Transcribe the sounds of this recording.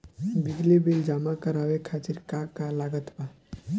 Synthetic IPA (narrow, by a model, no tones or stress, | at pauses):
biɡlebeld͡ʒamakəɾawekʰat̪iɾkakalaɡət̪ba